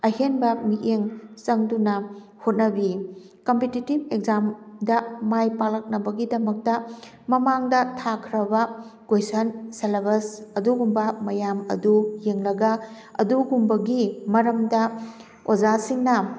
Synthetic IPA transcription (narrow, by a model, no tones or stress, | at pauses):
ɐɦenbɐmiʔeŋt͡ʃɐŋdunɐ | hot̚nɐbi | kompetitib̚ekzamdɐmajpalɐk̚nɐbɐɡidɐmɐk̚tɐ | mɐmaŋdɐtʰakʰɾɐbɐɡ̥ojsɐnseleβɐsɐduɡumbɐmɐjamɐ̰dujeŋlɐɡɐ | ɐ̰duɡumbɐɡimɐɾɐmdɐ | od͡ʒasiŋnɐ